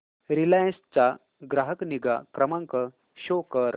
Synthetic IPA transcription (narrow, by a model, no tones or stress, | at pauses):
ɾilãst͡ɕa | ɡɾaɦəkniɡakɾəmãŋkə | ɕokəɾ